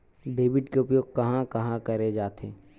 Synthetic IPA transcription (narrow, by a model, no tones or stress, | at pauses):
ɖeːʋɪɖkeʊpjoːɡ̚kɐɦãkɐɦãkɐɾed͡ʒaːt̪ʰḛː